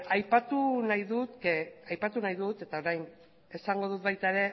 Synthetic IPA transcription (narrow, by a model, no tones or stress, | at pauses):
ajpat̪unajðut̪keajpat̪unajðut̪e̞t̪ao̞ɾajn | e̞saŋɡo̞ð̞ut̪̚bajt̪aeɾe̞